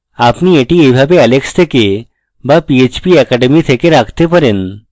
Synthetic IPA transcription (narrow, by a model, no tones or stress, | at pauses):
apnieʈiejbʱabeɛlekst̪ʰeke | bapiet͡ɕbiɛkɛɖemit̪ʰekeɾakʰt̪epaɾen